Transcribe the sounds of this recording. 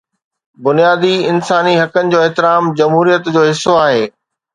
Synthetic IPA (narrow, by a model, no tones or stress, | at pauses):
bʊnijaːd̪iɪnsaːniɦɐkənɪ̆d͡ʑoːɪɦt̪ɪɾaːmd͡ʑɐmɦuːɾijət̪d͡ʑoːɦɪsːoaːɦeː